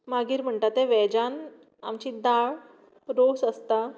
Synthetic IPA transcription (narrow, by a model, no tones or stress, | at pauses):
maɡiːɾm̤əɳʈ̪at̪eʋɛd͡ʑan | a̰mt͡ɕiːd̪aɭ | ɾosəst̪a